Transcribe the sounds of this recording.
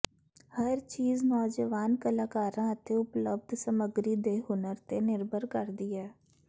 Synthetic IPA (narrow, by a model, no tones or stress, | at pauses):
həɾt͡ʃiːznɔːd͡ʒəʋaːnkəlaːkaːɾãːət̪eːʊpləb̚d̪səməɡɾiːd̪eːɦʊnəɾt̪eːnɪɾbəɾkəɾd̪iːɛː